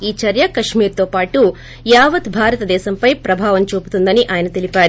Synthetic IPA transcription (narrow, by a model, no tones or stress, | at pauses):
iːt͡ʃɐɾjɐkɐʃmiːɾt̪oːpaːʈu | jaːʋɐt̪bʱaːɾɐt̪ɐd̪ɛːsɐmpɐjpɾɐbʱaːʋɐnt͡ʃuːpu̥t̪und̪ɐniʔaːjɐnɐt̪ilipaː